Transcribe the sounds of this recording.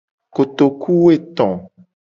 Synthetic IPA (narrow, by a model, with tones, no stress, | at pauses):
ko˨t̪o˨ku˦we˦˨t̪ɔ̃˨